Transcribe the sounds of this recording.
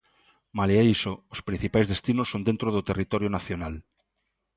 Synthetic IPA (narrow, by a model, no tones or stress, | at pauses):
maleaisoospɾĩn̟θipajzðest̪inosːond̪ent̪ɾoðot̪erit̪oɾjonaθjonal